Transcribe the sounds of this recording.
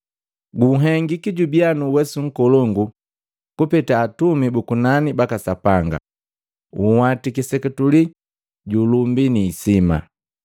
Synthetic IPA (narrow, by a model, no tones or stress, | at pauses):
ɡuɦɛŋɡikiɟubianuwɛsuŋ̩kɔlɔŋɡu | kupɛtaːtumibukunanibakasapaŋɡa̰ | uhwatikisɛkɛtuli | ɟulumbiniːsima̰